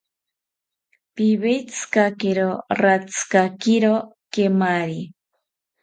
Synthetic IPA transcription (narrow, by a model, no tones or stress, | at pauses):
piβejt͡sʰɨ̥kakeɾorat͡sʰɨ̥kakiɾo | kemaɾi